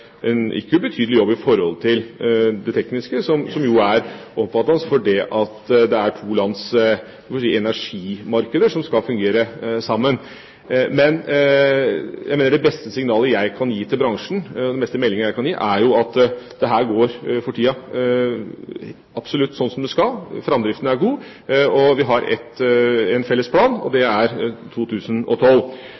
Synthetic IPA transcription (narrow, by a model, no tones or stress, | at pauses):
ɛnʔɪ̰kːəbət̪ʰyːd̪əlɪjɔbːɪfɔɾhɔlt̪ʰɪld̪ɛt̪ʰɛknɪskəsɔmsɔmjʊæɾɔmfɑt̪ːɑnəsfɔɖɛʔɑt̪d̪ɛæʈʰuːlɑns | siːəɛnæʂiːmɑɾkəd̪əʂɔmskɑlfʉŋɡeːɾəsɑmːən | mɛn | jæɪmeːnəɖɛbɛst̪əsɪŋnɑːləjæɪkʰɑnjiːt̪ʰɪlbɾɑŋʂn̩ɔd̪ɛnbɛst̪əmɛlːɪŋəjæɪkʰɑnjiːʔæɾjʊɑt̪d̪̥ɛɦæːɾɡoːɾfɔʈʰiːɑ | ɑb̥sɔlʉt̪ːsɔnːsɔmd̪ɛskɑlfɾɑmd̪ɾɪft̪ənæɾɡuː | ɔʋɪɦɑɾɛ̰t̪ːɛnfɛlːəspʰlɑːnɔ̰d̪ɛæɾt̪ʰuːt̪ʰʉːsənɔ̰t̪ʰɔlː